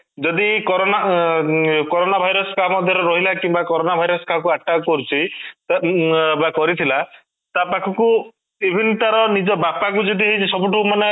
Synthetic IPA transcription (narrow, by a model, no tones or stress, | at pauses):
d͡ʒɔd̪ikɔɾona | kɔɾonabʱajɾɔsɔkamɔd̪ʱjɔɾɔɾɔɦilakiŋ̃bakɔɾonabʱajɾɔsɔ̥kakuaʈːakɔɾut͡ʃʰit̪abakɔɾit̪ʰila | t̪apakʰɔku | bibʱinʈ̪aɾɔnid͡ʒɔbapak̬ud͡ʒɔd̪iɦejt͡ʃʰisɔbuʈʰɔkumane